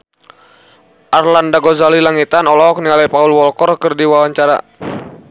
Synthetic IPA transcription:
ʔarlandaɡɔzalilaŋit̪anɔlɔk̚nialɛpaulwɔlkɔrkɨrdiwawaɲt͡ʃaɾa̰

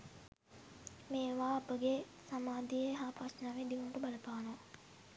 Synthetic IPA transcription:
meːʋaːɐpəɡe | samaːd̪ijeɦaːpasnaːʋed̪iʋuməʈəbaləpaːno

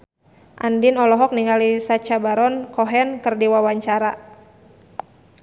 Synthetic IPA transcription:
ʔandinɔlɔɦɔk̚niŋalisat͡ʃabaɾɔnkɔɦɛnkərdiwawaɲt͡ʃaɾa

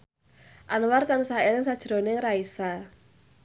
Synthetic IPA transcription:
ʔanwart̪anusaelɪŋsad̥ʒ̥ɾonɪŋraisa

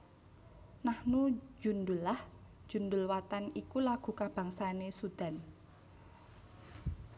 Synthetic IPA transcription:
nahnu̥d͡ʒṳnd̪ʊlːahd͡ʒ̥ṳnd̪ʊ̤lwat̪anikulaɡ̥ṳkab̥a̤ŋsanesud̪̥a̤n

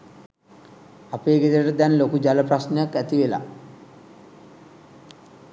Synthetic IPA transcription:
apeːɡed̪əɾəʈəd̪ɛnlokud͡ʒaləprasnəjakːæt̪iʋela̰

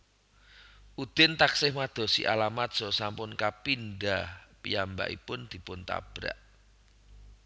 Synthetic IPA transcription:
ʔud̪̥ɪnt̪aksɪhmad̪̥o̤sḭʔa̰lamat̪̚z̥ɔ̤sampʊnkapindahpijamba̰ʔḭpʊnd̪̥i̤pʊnt̪a̰b̥ɾa̰ʔ

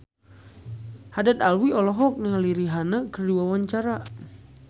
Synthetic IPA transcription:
hadat̪alwiɔlɔɦɔk̚niŋaliɾiɦanakərduwawaɲt͡ʃaɾa

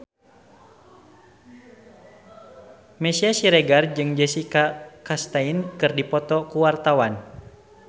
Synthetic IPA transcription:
mɛsiasiɾɛɡard͡ʒɨŋd͡ʒɛsikakast̪ainkɨrdipɔt̪ɔkuwart̪awan

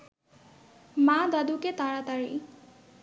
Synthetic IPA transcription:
mad̪ad̪uket̪aɹat̪aɹḭ

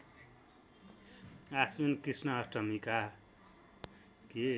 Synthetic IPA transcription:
asminkisnʌɦʌsʈʌmika | ke

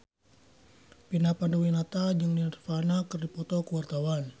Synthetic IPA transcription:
pinapanduwinat̪ad͡ʒəŋnirfanakərdipɔt̪ɔkəwart̪awan

